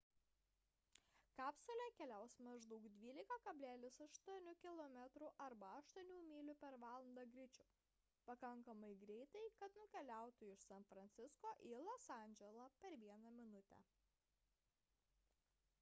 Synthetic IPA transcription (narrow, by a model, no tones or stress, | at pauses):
kɑːpsolʲɛkʲɛlʲæˑʊsmɐʒd̪ɐʊkd̪ʲʋʲiːlʲɪkɐkɐbʲlʲæːlʲɪsɐʃt̪uɔnʲʊkʲɪlˠɔmʲɛt̪ɾʊʔɐɾbɐɐʃt̪uɔnʲuːmʲiːlʲʊpʲɛɾʋɑːlˠɐnd̪ɐɡɾʲɪt͡ʃʲʊ | pɐkɐŋkɐmɐɪɡɾʲɛɪt̪ɐɪkɐt̪nʊkʲɛlʲæˑʊt̪ʊɪʃsɐnfɾɐnʲt̪sʲɪskoːʔilˠosɑˑnʲd͡ʒʲɛlˠɐpʲɛɾʋʲiɛnɐmʲɪnʊt̪ʲɛ̰